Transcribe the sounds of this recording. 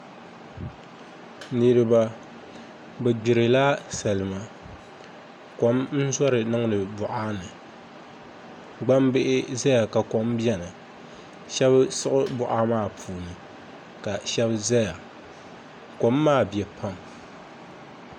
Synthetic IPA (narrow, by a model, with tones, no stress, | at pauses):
nɨ˨ɾɨ˦ba˦ | bɛ˨ɡ͡bɪ˨ɾɨ˨la˦sa˨lɨ˨ma˨ | ko˨˦mn̩˦zɔ˦ɾɨ˨nɨ˦ŋ˦lɨ˨bʊ˨ʔaː˦nɨ˨ | ɡ͡ba˦mbɪ˦ʔɪ˦za˦ja˨ka˨ko˨mbjɛ˦nɨ˨ | ʃɛ˦bsɨ˦ʔʊ˦bʊ˨ʔaː˦maː˦˨pʰuː˨nɨ˨ | ka˨ʃɛ˦bza˦ja˨ | ko˨˦mːaː˦˨bjɛ˨pʰa˦˨m